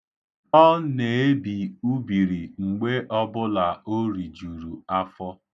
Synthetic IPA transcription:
ɔ˦ne˨e˦bi˨u˦bi˨ɾi˨ŋ͡m̩˨ɡ͡be˦ʔɔ˦bʊ˦la˨o˦ɾi˨d͡ʒu˨ɾu˨a˦fɔ˦

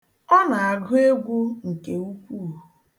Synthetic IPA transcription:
ɔ˦na˨a˨ɡʊ˦e˦ɡʷu˦ŋ̩˨ke˨u˦kʷu˦˨

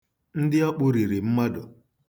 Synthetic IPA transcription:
n̩˦dɪ˦ɔ˦k͡pʊ˦ɾi˨ɾi˨m̩˦ma˦dʊ˨

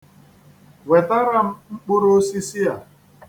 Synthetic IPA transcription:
we˨ta˦ɾa˦m̩˦ŋ͡m̩˦k͡pʊ˦ɾo˦si˦si˦a˨

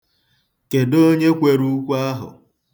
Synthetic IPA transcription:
ke˨do˦ɲe˦kʷe˨ɾu˦kʷa˦ɦʊ̰˨

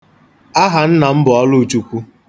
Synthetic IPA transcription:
a˦ɦa˨n̩˦na˨m̩˦bʊ˨ɔ˦lʊ˦˨t͡ʃu˦kʷu˦

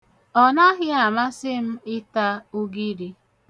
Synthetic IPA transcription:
ɔ˨na˦ɦɪ˦a˨ma˦sɪ˦m̩˦ɪ˦ta˦u˦ɡi˦ɾi˦

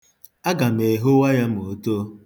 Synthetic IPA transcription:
a˦ɡa˨me˨ɦo˦wa˦ja˦m̩˨o˨to˦

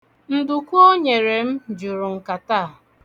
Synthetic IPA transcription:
n̩˨dʊ˨kʷu˦o˦ɲe˨ɾe˨m̩˦d͡ʒʊ˨ɾʊ˨ŋ̩˨ka˨ta˦˨

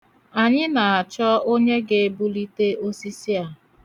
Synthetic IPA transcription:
a˨ɲɪ˦na˨a˨t͡ʃɔ˦o˦ɲe˦ɡe˦bu˦li˦te˦o˦si˦si˦a˨

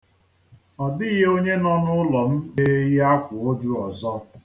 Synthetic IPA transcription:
ɔ˨dɪ˦ɣe˦o˦ɲe˦nɔ˦nʊ˦lɔ˨m̩˦e˦ji˦a˦kʷʊ˨o˦d͡ʒu˦ɔ˨zɔ˦

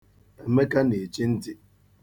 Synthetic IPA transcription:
e˨me˦ka˦ne˨t͡ʃi˦n̩˦ti˨

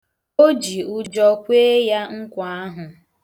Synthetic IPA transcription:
o˦d͡ʒi˨ʊ˦d͡ʒɔ˦kʷe˦ja˦ŋ̩˦kʷa˦ɦʊ˨

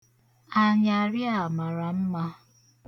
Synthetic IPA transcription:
a˨ɲa˨ɾja˨ma˨ɾa˨m̩˦ma˦

